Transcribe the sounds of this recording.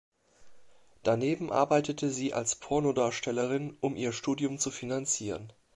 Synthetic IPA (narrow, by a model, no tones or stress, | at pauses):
d̥aneːbm̩ʔa̰ɐbaɪtətʰəziːʔa̰lspʰɔɐnodaːɐʃtʰɛləʁɪnʔʊmʔiːɐʃtuːdjʊmt͡sufinant͡siːʁ̞ən